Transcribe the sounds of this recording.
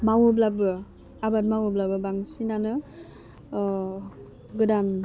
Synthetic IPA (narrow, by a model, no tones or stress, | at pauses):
mawɯblabɯ | abat̚mawɯblabɯbaŋsinanɯ | ɡɯdan